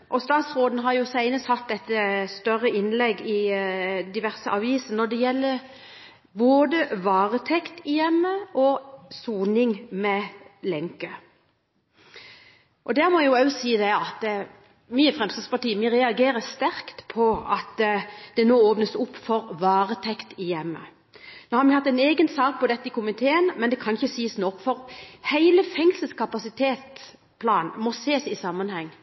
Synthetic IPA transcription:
ʔɔst̪ɑːt̪sʁoːd̪nɦɑɾjʊsæɪnəshɑt̪̚d̪ɛt̪ːəst̪œʁəɪnlɛɡːɪ | d̪ɪʋæʁsəʔɑːʋiːsən̩nɔd̪ɛjɛlːəɾ | boːd̪əʋɑːʁət̪ʰɛkt̪ɪjɛmːəʔɔsuːnɪŋmɛlɛŋkə | ʔɔd̪æʁmɔjʊæʉsiːd̪ɛɑt̪ | myːəfʁɛmst̪əspɑʈiːəmiʁɛɑɡeːɾəst̪æɾkt̪pʰɔɑt̪d̪̥ɛnoːoːpnəsʊpːfɔɾʋɑːʁət̪ʰɛkt̪ɪjɛmːə̰ | noːhɑɾmɪhɑt̪ːɛɪneːɡənsɑːk̚pɔd̪ɛt̪ːəɪkʊmɪt̪ʰeːənmɛnd̪ɛkʰɑnɪçəsiːəsnɔkːfɔɾhæɪləfɛŋsəlskɑpɑsɪt̪ʰeːt̪ | pʰlɑːnmɔseːsɪsɑmːənhɛŋː

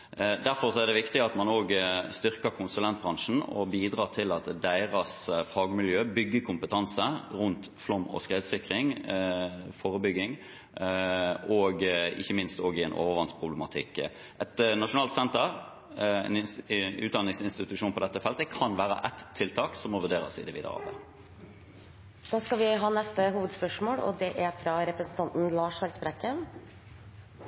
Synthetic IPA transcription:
d̪æɾfɔʁsɔɛʁd̪ɛʋɪkt̪ɪɑt̪mɑnoːɡst̪ʏʁkəkʰʊnsʉlɛnt̪̚bʁɑŋʂn̩ɔ̰biːd̪ɾɑːt̪ʰɪlɑt̪d̪æɪʁɑsfɑːɡmɪljøːbʏɡːəkʰʊmpət̪ʰɑnsəɾʉnt̪ | flɔmɔ̰skʁeːd̪sɪkʁɪŋ | foːɾəbʏɡːɪŋ | ɔɡɪ̰çːəmɪnst̪oːɡɪɛnʔo̰ːʋəɾʋɑnspʰʁʊbləmɑt̪ʰɪ̰kː | ʔɛt̪nɑʂʊnɑːlt̪sɛnt̪əʁ | ɛ̰nʉːt̪d̪ɑnːɪŋsɪnst̪ɪt̪ʉʂuːnpʰɔd̪ɛt̪ːəfɛlt̪əkʰɑnʋæːɾə̰ʔɛt̪ʰːɪlt̪ʰɑːksɔmːɔʋʉʁdeːɾə̰sɪ̰d̪ɛʋiːd̪ə̰ʁɑ̰ːbə | d̪̥ɑːskɑlʋɪɦɑːnɛst̪əɦuːʋəd̪spœʂmoːɽɔ̰d̪ɛʔæɾfɾɑɾɛpɾəsn̩t̪ʰɑnt̪n̩lɑːʂhɑɾt̪bɾɛkːən

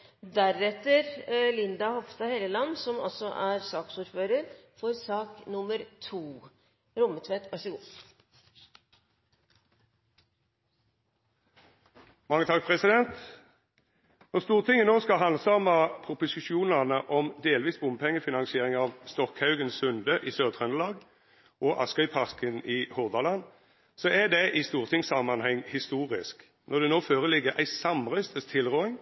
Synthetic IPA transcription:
d̪æɾɛt̪ːəɾlɪnd̪ɑhɔfst̪ɑheːləlɑnːsɔmɑ̰lsɔʔæɾsɑːksuːɾføːɾəɾfɔɾsɑːknʊmːəɾt̪ʰuː | ɾʊmət̪ʰʋet̪ɑʂəɡuː | mɑŋːət̪ʰɑk̚pʰʁɛsɪd̪ɛnt̪ | nɔʁst̪uːʁt̪ʰɪŋːənoːskɑɦɑnsɑmɑpʰʁʊpʊsɪʃuːnɑnəʔɔmd̪eːlʋiːsbʊməpʰɛŋːəfɪnɑnsɪeːʁɪŋɑːʋst̪ɔkhɑʉɡənsʉnd̪əʔiːsøːʁt̪ʰʁɛnəlɑːɡ | ʔɔʔɑ̰skœʏpʰɑʁkəniːhʊʁd̪ɑlɑn | sɔʔæd̪ɛʔist̪uːʁt̪ʰɪŋsɑmɑnhɛŋhɪst̪uːʁɪsk | nʔɔʁd̪ɛnoːføːʁəlɪɡəʁʔæ̰ɪsɑmʁœʏst̪əst̪ʰɪlʁoːɪŋ

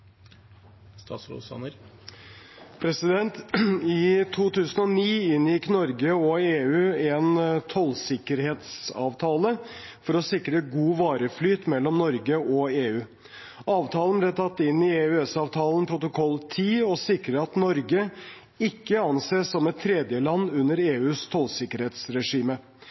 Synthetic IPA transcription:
st̪ɑ̰slṵsɑ̰nəɾ | pʰɾɛsɪd̪ɛnt̪ɪt̪ʰuːt̪ʰʉːsən̩ɔniːɪnjɪknɔɾɡəɔeːʉːɛnt̪ʰɔlsɪkːəɾheːt̪sɑ̰ːʋt̪ʰɑːləfɔɾɔsɪkɾəɡuːʋɑːɾəflyːt̪mɛlːɔmnɔɾɡəɔeːʉː | ɑːʋt̪ʰɑːlənblɛt̪ʰɑt̪ːɪnːɪeːʉɛsɑːʋt̪ʰɑːlənpʰɾʊt̪ʊkʰɔlːt̪ʰiːɔsɪkɾəɾɑt̪nɔɾɡə | ɪkːəɑnseːsɔmɛt̪ʰːɾɛːd̪jəlɑnːʉnːəɾeːʉːst̪ʰɔlsɪkəɾheːt̪sɾɛʂiːmə

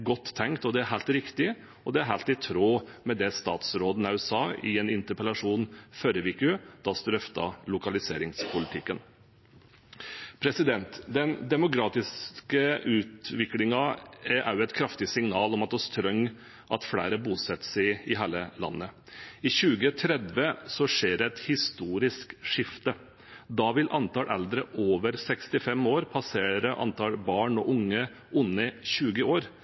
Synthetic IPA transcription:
ɡɔt̪ʰːɛŋkt̪ɔd̪ɛæɾɦælt̪ɾɪkt̪ɪ | ɔd̪ɛæɾɦælt̪ɪt̪ʰɾoːmɛd̪ɛst̪ɑ̰ːt̪sɾoːd̪n̩ɑʉɛsɑːɪɛnɪnt̪əɾpəlɑʂuːnføːɾəʋɪkʉd̪̥ɑst̪ɾœft̪ɑ̰lʊkɑlɪseːɾɪŋspʰʊlɪt̪ʰɪkːən | pʰɾɛsɪd̪ɛnt̪d̪ɛnd̪ɛmʊkʰɾɑːt̪ɪskəʉːt̪ʋɪklɪŋɑʔæ̰ɾjʊɛt̪kʰɾɑft̪ɪsɪŋnɑːlɔmɑt̪̚dɔst̪ʰɾœŋː | ʔɑt̪flæ̰ːɾəbuːsɛt̪ːsɛɪɪɦæːləlɑ̰nːə | ɪɕʉːɡət̪ʰɾɛd̪ʋəsɔʂeːɖɛt̪hɪst̪uːɾɪskʂɪft̪ə | d̪ɑʋɪlʔɑnt̪ɑːlʔɛ̰ld̪ɾəʔoːʋəɾsɛkst̪ɪfɛmoːɾpʰɑseːɾəʔɑ̰nt̪ʰɑːlbɑːɳɔʔʊŋːə | ʔʊnːəɕʉːɡəoːɾ

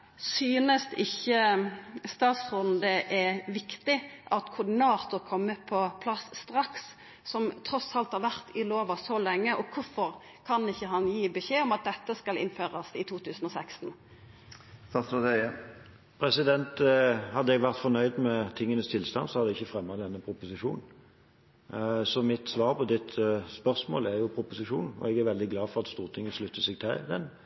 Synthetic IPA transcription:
syːnəst̪ɪçːə | st̪ɑːt̪sʁʊnd̪əʔɛʋɪkt̪ɪʔɑt̪kʰʊɾd̪ɪnɑːt̪ʊɾkʰɔmːəpʰɔpʰlɑsːt̪ɾɑks | sɔmt̪ʰɾɔsɑlt̪hɑɾʋæʁt̪ʰɪloːʋɑsɔlɛŋːəʔɔkʰʊfɔɾ | kʰɑnɪçːəɦɑnjiːbəʃeːɔmɑt̪̚d̪ɛt̪ːəskɑlɪ̰nføːʁɑsɪt̪ʰuːt̪ʰʉːsnɔsɛkst̪n̩ | sɑst̪od̪ɛ | pʰɾɛsɪd̪ɛnt̪hɑd̪ːəɛɡʋæʁt̪fɔnœʏd̪mɛt̪ʰɪŋːənəst̪ʰɪlst̪ɑnsɔhɑd̪ɛɪçːəfɾɛmːɑd̪ɛnːəpʰɾʊpʊsɪʂṵːnn̩ | sɔmɪt̪sʋɑːɾpʰɔd̪ɪt̪spœʁsmo̰ːlɛjʊpʰɾʊpʊsɪʂuːnn̩ɔ̰ɛɡæɾʋɛld̪ɪɡlɑːfɔʁɑt̪st̪uːʁt̪ʰɪŋːənʂlʉt̪ːəsɛɡ̚t̪ʰɪld̪ɛ̰n

